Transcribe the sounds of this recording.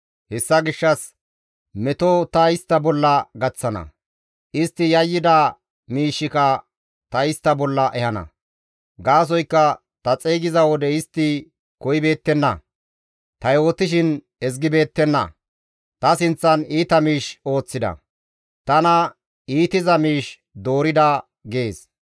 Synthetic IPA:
hɛsːɐɡɪʃːɐs | mɛt̪ot̪ɐɪst̪ːɐbɔlːɐɡɐt͡sːɐnɐ̰ | ʔɪst̪ːɪjɐjːɪd̪ɐ | miːʃːɪkɐ | t̪ɐɪst̪ːɐbɔlːɐʔɛhɐnɐ̰ | ɡaːs̬ɔjkːɐ | t̪ɐt͡sʼeːɡɪzɐwɔd̪ɛɪst̪ːɪ | kɔjɪbe̞ːt̪ːɛnːɐ | t̪ɐjo̞ːt̪ːɪʃ̬ɪn | ɛz̬ɡɪbe̞ːt̪ːɛnːɐ̰ | t̪ɐsɪnt͡sːɐniːt̪ɐmiːʃo̞ːt͡sːɪd̪ɐ̰ | t̪ɐnɐ | iːt̪ɪzɐmiːʃ | d̪o̞ːɾɪd̪ɐ | ɡeːs

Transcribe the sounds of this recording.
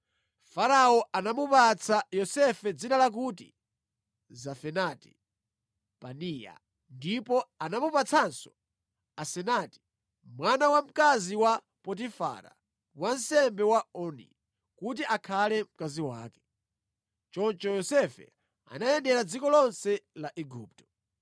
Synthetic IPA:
faɾaɔʔanamupat͡sʰajɔsɛfɛd͡zinalak̬uti | zafɛnati̥ | panija̰ | ndipɔanamupat͡sʰansɔ̥ | asɛnati̥ | mwanawam̩kaziwa | pɔt̬ifa̰ɾa̰ | wan̩sɛmbɛwaɔnḭ | kut̬iʔakʰalɛm̩kaziwa̰ːkɛ̥ | t͡ʃɔnt͡ʃɔjɔsɛfɛ̰ | a̰najɛndɛɾad͡zikɔlɔnsɛlaʔɛɡuːp̚tɔ̥

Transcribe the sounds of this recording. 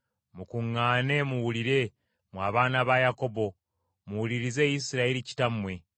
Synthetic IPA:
mukuŋːaːne̞muwuliɾe̞ | mwaːβaːnaβajako̞bo̞ | muwuliɾize̞ːjisiɾaeɾici̥tamwe̞

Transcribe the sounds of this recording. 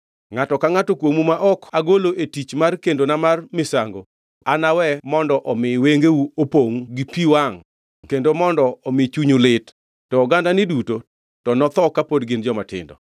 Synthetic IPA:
ŋatɔkaŋatɔkwomumaʔɔkaɡoloʔetit͡ʃmarkendonamarmɪsaŋɡo | anawɛmɔndɔʔɔmɪweŋɡeuopoŋɡipiwaŋ | kendomɔndɔɔmɪt͡ʃuɲulɪtː | ɔːɡandanɪduto | tɔnɔt̪ɔkapodɡɪnd͡ʒɔmatɪ̰ndɔ̰

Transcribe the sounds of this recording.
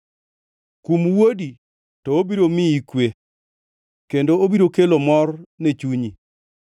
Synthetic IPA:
kumwodi | tɔobiɾomiikwe | kendoobiɾokelomɔrnet͡ʃuɲi

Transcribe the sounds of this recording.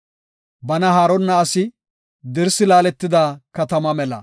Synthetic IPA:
bɐnɐɦaːɾɔnːɐːsɪ | d̪ɪɾsɪlaːlɛt̪ːɪd̪aːkɐt̪ɐmɐmɛlɐ̰

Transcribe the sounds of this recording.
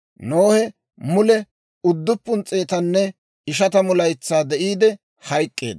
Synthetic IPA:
noːhɛ | mʊlɛ | ʊd̪ːʊpːʊnt͡sʼːe̞ːt̪ɐnːɛ | ɪʃɐt̪ɐmʊlɐjt͡sːaːd̪ɛʔiːd̪ɛ | hɐjkʼːe̞̰ːd̪

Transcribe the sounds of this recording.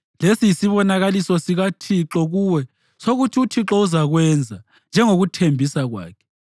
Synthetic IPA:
lesijisiβɔnaɣalisɔsiɣatʰiǁɔɣuwɛ | soɣutʰiutʰiǁɔuzaɣwɛnd͡zʱa | nd͡ʒʱɛŋoɣutʰembʱisaɣwa̰ːkʰɛ̥

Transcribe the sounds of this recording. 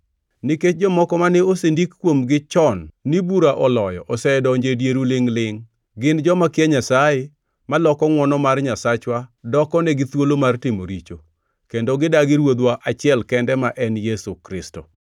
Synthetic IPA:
niket͡ʃ̚d͡ʒɔmɔkɔmanɛosendikkːwomɡɪt͡ʃɔnːibuɾaʔɔlɔjɔ̰ʔɔsɛdɔɲd͡ʒedjeɾulɪŋlɪŋ | ɡɪnd͡ʒɔmakɪɛɲasaje | malɔkɔŋwɔnɔmarɲasat͡ʃwadɔkɔnɛɡɪt̪wolomartɪmo̰ɾit͡ʃo | kendoɡɪdaɡɪɾwod̪waʔat͡ʃɪɛlkɛndɛmaʔɛnjɛsukɾɪsto̰

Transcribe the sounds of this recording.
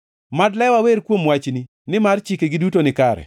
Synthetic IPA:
madlɛwaweɾkwomwat͡ʃni | nɪmart͡ʃikeɡɪdutonɪkaɾɛ̰

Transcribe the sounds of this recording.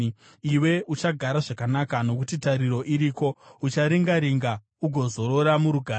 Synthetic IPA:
iwe̞ut͡ʃaɡʱaɾaʐakanakano̞kutitaɾiɾo̞ʔiɾiːko̞ut͡ʃaɾiŋɡaɾiŋɡa | uɡʱo̞zo̞ɾo̞ɾamuɾuɡʱaː

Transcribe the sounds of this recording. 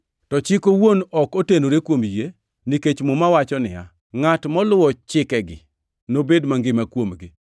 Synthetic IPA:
tɔt͡ʃɪkowonɔkotenoɾekwomje | niket͡ʃmomawat͡ʃɔnɪja̰ | ŋatmɔlʊwɔt͡ʃɪkɛɡɪ̰ | nobedmaŋɡɪmakwomɡɪ

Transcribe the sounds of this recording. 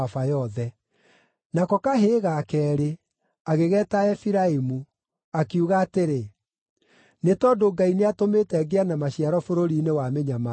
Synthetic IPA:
afajɔðɛ | nakɔkaɦeːɣaːkɛːɾe | aɣeɣɛːtaɛfiɾaimu | akiuɣaːteɾe | netɔːdoɡaineatomeːtɛɡeanamaɕiaɾɔfoɾoɾiːnewameɲama

